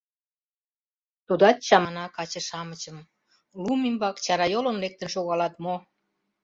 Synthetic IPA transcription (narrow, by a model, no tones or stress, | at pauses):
t̪ud̪ɑt̪̚t͡ɕɑmɑnɑkɑt͡ɕə̆ʃɑmə̆t͡ɕə̆m | lumimbɑkt͡ɕɑɾɑjolonlek̚t̪ə̆nʃoɣɑlɑt̪mo